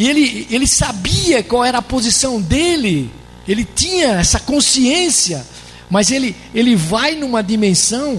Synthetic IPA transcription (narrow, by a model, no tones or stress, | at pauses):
ielɪelɪsabiɐkwawɛɾɐːpozisɐ̃w̃d̪elɪ | elɪt̪ĩɲɐɛsɐkõsiẽsiɐ | mɐzelɪ | elɪvajnũmɐd̪imẽsɐ̃w̃